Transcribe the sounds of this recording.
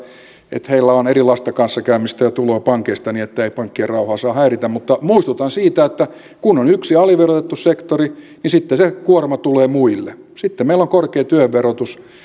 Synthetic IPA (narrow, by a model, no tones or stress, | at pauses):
ḛt̪heilːæonerilɑist̪ɑkɑnsːɑkæymːist̪æjɑt̪uloːpɑŋkeist̪ɑniet̪ːæeipɑŋkːierɑuhɑːsɑːhæirit̪æmmut̪ːɑmuist̪ut̪ɑnsiːt̪æet̪ːæ | kunːonyksiɑliʋerot̪et̪ːussekt̪ori | nisit̪ːesekuormɑt̪uleːmuilːḛsit̪ːemmeilːoŋkorkeːt̪yøʋʋerot̪us